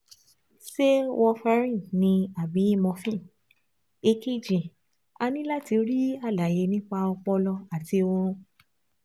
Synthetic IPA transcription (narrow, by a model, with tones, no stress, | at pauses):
se˦wɔ˧fɛ˧˦ɾĩ˦˨nĩ˧a˨bĩ˨˦i˦˨mɔ̃˧fĩ˦˨ | e˧ki˦˨d͡ʒĩ˨ | a˧nĩ˦la˦˨ti˧˦ɾi˦a˦˨la˨je˧nĩ˦k͡pa˧ɔ˧k͡pɔ˧lɔ˧a˨ti˧o˧ɾ̃ũ˧